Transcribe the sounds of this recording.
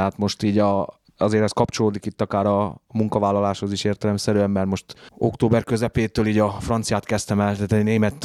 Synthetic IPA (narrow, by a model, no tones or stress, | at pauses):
ɛɦat̪mo̞ʃt̪iːɟɒ | ɒzeːɾɛskɒpt͡ʃo̞loːd̪ikit̪ːɒkaːɾɒmuŋkɒvaːlːɒlaːʃho̞ziʃeːrt̪ɛlɛmsɛɾyɛmːɛrmo̞ʃt̪o̞̰kt̪oːbɛrkøzɛpeːt̪øːliːɟɒfrɒnt̪sijaːt̪kɛst̪ɛmɛlt̪ɛt̪ɛneːmɛt̪